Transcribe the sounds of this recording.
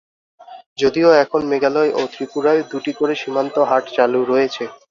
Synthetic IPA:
d͡ʑod̪ioɛkʰonmeɡalɔjʔot̪ɾipuɾaed̪uʈikoɾeʃimant̪oɦaʈt͡ɕaluɾojet͡ɕʰe

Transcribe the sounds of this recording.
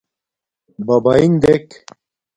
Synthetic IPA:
bɐbaiŋd̪ek

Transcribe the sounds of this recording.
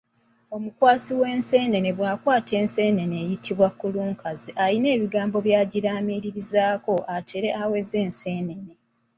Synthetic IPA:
o̞mukwaːsiwe̞ːnse̞ːne̞neβwaːkwaːtʰe̞ːnse̞ːne̞ne̞ːjitʰiβwakːuluːŋkʰaziʔaline̞ːβiɡaːmbo̞βjaːɟiɾaːmiɾiɾizaːko̞ʔatʰe̞ɾe̞awe̞zeːnse̞ːne̞ne

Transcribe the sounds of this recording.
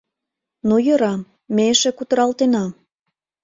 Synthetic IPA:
nojɤ̆ɾɑm | meʃĕkut̪ə̆ɾɑlt̪enɑm

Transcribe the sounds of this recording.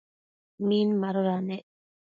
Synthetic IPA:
minmaɾʊɾane

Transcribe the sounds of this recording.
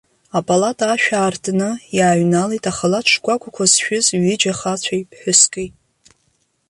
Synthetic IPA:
apʼalatʼaʃᶣaːrtʰnɨjaːɥnalejtʼaχalaʈ͡ʂʷʰɡʷʼakʷakʷʰasʃᶣʊzɥɪd͡ʒaχat͡ɕʷʰajpʰħʷᶣʊskʼejtʼ

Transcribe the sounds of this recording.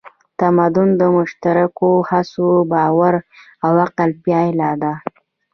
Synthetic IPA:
t̪amad̪ʊnd̪əmʊʃt̪aɾakohasobɑwaɾ | awaqalpjɑjlɑd̪a

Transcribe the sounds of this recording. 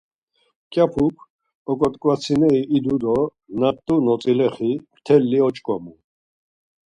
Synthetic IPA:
kʼjapʰukʰ | ɔkʼɔt̪ʼkʼwat͡sʰinɛiʔːd̪ud̪ɔ | nat̪ʼːunɔt͡sʼilɛχimt̪ʰɛlːiɔt͡ʃʼkʼɔmu

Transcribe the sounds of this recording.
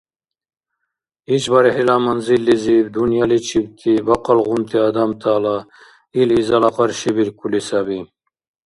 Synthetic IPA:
it͡ʃbaɾihilamɐnzilːizibd̪unjalit͡ʃʰibt̪ʰibɐqɑlɣunt̪ʰiad̪amt̪ʰaːla | ilizɑlɑqɑɾʃibiɾkulisabi

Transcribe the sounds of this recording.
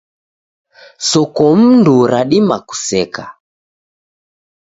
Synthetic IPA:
sɔkɔm̩nduɾaɗimaku̥sɛka

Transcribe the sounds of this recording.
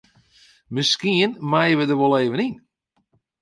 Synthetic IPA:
mɪskiənmajəʋədəʋɔlˠeːvənin

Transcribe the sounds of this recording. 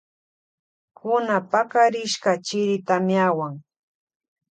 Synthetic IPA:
kʊnapakaɾɪʃkat͡ʃɪɾɪt̪amjawaŋ

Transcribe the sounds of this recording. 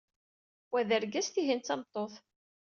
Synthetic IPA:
wæðəɾɡæsθiɦint͡sɑmt̪ˤːoθˤ

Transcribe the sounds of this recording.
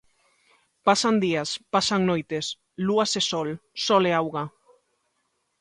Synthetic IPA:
pasand̪iaspasaŋnojt̪es | luasesɔlsɔleawɣa

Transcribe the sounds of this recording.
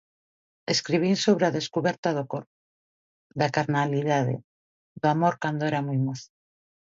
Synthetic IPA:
eskɾiβinsoβ̞ɾeaðeskuβɛɾt̪aðoko | d̪akaɾnaliðaðḛ | d̪oamoɾkand̪oeɾamujmoθ

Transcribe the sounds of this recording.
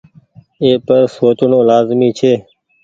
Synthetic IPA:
eːpəɾsoːt͡ʃnõːlaːzmiːt͡ʃʰeː

